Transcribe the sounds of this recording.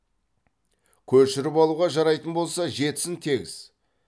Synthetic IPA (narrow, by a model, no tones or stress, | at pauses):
kʲʰɵɾʃɪɾɪpɑlˠuʁɑʒɑɾɑjt̪ənbo̞lˠsɑʒe̞t̪ɪ̥sɪnt̪ʰe̞ɡʲɪ̰z̥